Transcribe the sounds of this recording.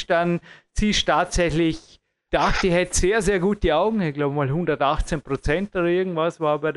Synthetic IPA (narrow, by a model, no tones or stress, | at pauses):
ʃd̥ant͡siːʃtaːtsɛçlɪç | d̥axtiɦɛtz̥eːɐzeːɐɡuːt̚d̥iaʊɡŋ̩çɡ̥laʊbəmaːlhʊndɐtaxt͡senpʁ̥ot͡sɛntʔoːɾɐɪɐɡŋ̩tv̥asvaːbaɪd